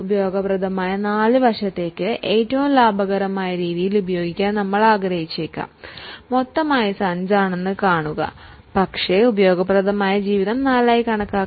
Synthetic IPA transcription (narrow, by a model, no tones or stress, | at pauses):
ubɐjo̞ːɡɐprɐd̪ɐmaːjɐnaːɭɨʋɐrʂɐt̪ːe̞ːkːɨʔeːtːɐʋumlaːbʱɐɣɐɾɐmaːjɐɾiːðijilubɐjo̞ːɡikʲːaːnnɐmːɐɭaːɡɾɐhit͡ɕːeːkʲːa̰ːmːo̞t̪ːɐmaːjɐsɐɲd͡ʑaːɳe̞nːɨkaːɳuɣɐ̰ | pɐkʂe̞ubɐjo̞ːɡɐprɐd̪ɐmaːjɐd͡ʑiːʋiðɐmnaːlaːjikɐɳɐkːaː